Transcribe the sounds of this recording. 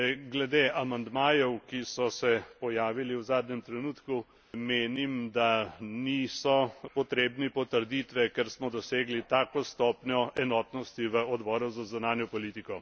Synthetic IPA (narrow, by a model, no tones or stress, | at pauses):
ɡlɛd̪eʔamand̪maːjɛwkisɔsɛpɔjaːʋiliwzaːd̪ɲɛmt̪ɾɛnut̪ku | meːnimd̪anisɔpɔt̪ɾeːbnipɔt̪əɾd̪it̪ʋɛkɛɾsmɔd̪ɔseːɡlit̪aːkɔst̪ɔːpnʲɔʔɛnɔːt̪nɔst̪iʋəɔd̪bɔːɾuzazunaːnjɔpɔliːt̪ikɔ